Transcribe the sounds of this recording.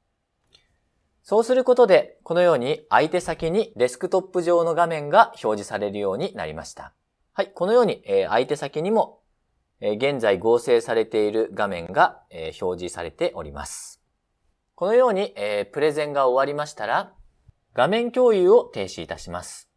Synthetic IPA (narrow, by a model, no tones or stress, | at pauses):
so̞ːsɨɾɯ̟ko̞t̪o̞d̪e̞ko̞nojo̞ːɲ̟iait̪e̞sakʲiɲ̟iɾʲe̞sɨ̥kɯ̟t̪o̞pːɯ̟ʑo̞ːno̞ɡamẽ̞ŋɡaço̞ːʑisaɾe̞ɾɯ̟jo̞ːɲ̟ina̰ɾʲḭma̰ɕi̥t̪ḁ̰ | haiko̞no̞jo̞ːɲ̟ia̰it̪e̞sakʲiɲ̟imo̞ | eɡẽ̞nzaiɡo̞ːse̞ːsaɾe̞t̪e̞iɾɯ̟ɡamẽ̞ŋɡaeço̞ːʑisa̰ɾe̞t̪e̞ʔo̞̰ɾʲḭma̰sɨ̥ | ko̞no̞jo̞ːɲ̟iʔeːpɯ̟ɾe̞zẽ̞ŋɡao̞βaɾʲimaɕi̥t̪aɾa | ɡ̥amẽ̞ŋkʲo̞ːjɯ̟ːo̞t̪e̞ːɕiːt̪aɕimasɨ̥